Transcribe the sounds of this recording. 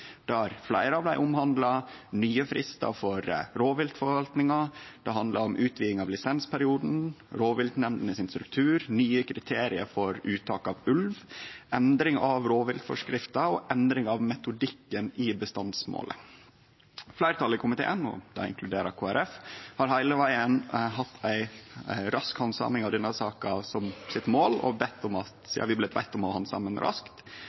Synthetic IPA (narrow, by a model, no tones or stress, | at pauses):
d̪̥ɛɑɾflæɪɾəɑʋd̪æɪʔʊmhɑnd̪lɑnyːəfɾɪst̪ɑ̰fɔɾɾoːʋɪlt̪fɔɾʋɑlt̪nɪŋɑd̪̥ɛɦɑnd̪lɑɾɔmʔʉːt̪ʋiːɪŋɑʋlɪsɛnspʰæɾɪuːd̪n̩ɾoːʋɪld̪nɛmnd̪ənəsɪnst̪ɾʉkt̪ʰʉːɾnyːəkʰɾɪt̪ʰeːɾɪəɾfɔɾʔʉːt̪ʰɑːkɑʋʉlʋʔɛnd̪ɾɪŋɑʋɾoːʋɪld̪fɔ̰ʂkɾɪft̪ɑɔʔɛnd̪ɾɪŋɑʋmɛt̪ʊd̪ɪkːənɪbəst̪ɑnd̪smo̰ːlʔə̰ | flæɪɾət̪ʰɑlɪkʰʊmɪt̪ʰḛːənɔ̰d̪ɑ̰ɪ̰ŋkʰlʉd̪eːɾəkʰoːæɾɛfhɑɾhæɪləʋæɪənɦɑt̪ʰːæɪɾɑskhɑnsɑ̰ːmɪŋɑʋd̪ɛnːəsɑːkɑsɔmsɪt̪moːlɔ̰bɛt̪ʰːʊmɑt̪jɑ̰ːʋɪblɛt̪ʰʋæ̰ɪt̪ːɔmɑhɑnsɑ̰mənɾʔɑ̰skt̪